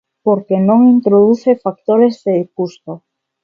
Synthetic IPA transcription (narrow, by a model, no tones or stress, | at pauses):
poɾkenõŋint̪ɾoðuθefak̚t̪oɾezðekust̪o